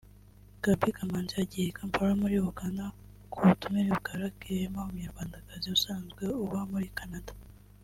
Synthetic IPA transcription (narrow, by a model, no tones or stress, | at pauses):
ɡ̥abikamand͡ʒeaɟijekampaɾamuɾiwoɡanda | kʰuutumeɾiβukaɾakeɾemaumuɲeɾɡwaːndakaziusaːnzɡe̞uβamuɾikanadḁ